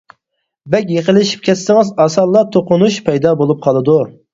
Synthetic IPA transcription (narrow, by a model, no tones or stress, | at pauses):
bɛkʲjeqəlɪʃi̥p̚kʲʰɛt̪sɪŋɨzɑsɑlˠːɑt̪ʰoqʊnuʃpʰɛjd̪ɑbolˠup̚qʰɑlˠɨd̪u